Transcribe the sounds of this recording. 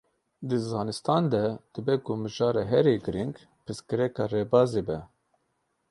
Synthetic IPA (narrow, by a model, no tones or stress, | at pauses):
d̪ɨzɑːnɨst̪ʰɑːnd̪ɛd̪̥ɨbɛkumɨʒɑːɾeɦɛɾeːɡɨɾiŋɡ | pɨskɨɾɛkɑːreːbɑːzeːbɛ